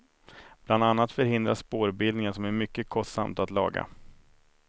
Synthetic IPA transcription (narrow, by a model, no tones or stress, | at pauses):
b̥land̪anːat̪fœɾhɪnd̪ɾa̰ʂpoːɾbɪld̪nɪŋənsɔmæɾmʏkːəkʰɔst̪sa̰mt̪at̪lɑ̰ːɡa̰